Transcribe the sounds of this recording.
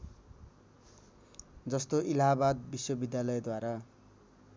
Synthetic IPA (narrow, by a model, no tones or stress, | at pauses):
d͡zʌst̪oʔilabad̪̚biswʌbid̪jalʌjed̪waɾa